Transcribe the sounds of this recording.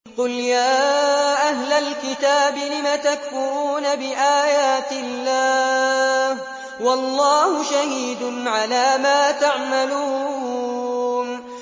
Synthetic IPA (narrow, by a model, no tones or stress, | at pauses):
qʊljaːʔaɦlalkɪt̪aːbɪlɪmat̪akfʊɾuːnabɪʔaːjaːt̪ɪlːaː | h | wɑlˤːɑːhʊʃahiːd̪ʕalaːmaːt̪aʕmaluː | n